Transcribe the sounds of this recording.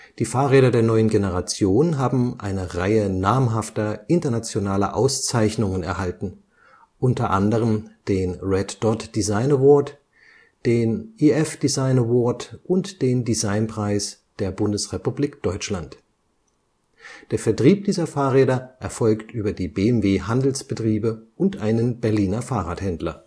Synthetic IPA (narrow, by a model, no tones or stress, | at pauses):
d̥iːfaːɐʁeːɾɐdeːɐnɔʏənɡenəʁat͡sjoːnnɦaːbm̩ʔa̰ɪnəʁaɪənaɐmɦaftɐʔɪntɐnat͡sjonaːlɐ̰ʔa̰ʊst͡saɪçnʊŋənɛ̰ɐhaltn̩ | ʔʊntɐʔandəʁəmd̥eːnʁɛdd̥ɔtd̥izaɪnəvɔɐt | d̥eːnʔiɛfd̥izaɪnəvɔɐtʔʊntd̥eːndizaɪnpʁ̥aɪsd̥eːɐbʊndəsʁepubliːkd̥ɔʏt͡ʃlant | d̥eːɐfɛɐtʁ̥iːp̚d̥iːzɐfaːɐʁeːdɐʔɛɐfɔlktʔyːbɐdiːbeːɛmveːɦandl̩sb̥ətʁ̥iːbəʔʊntʔaɪnənbɛɐliːnɐfaːʁaːthɛndlɐ̰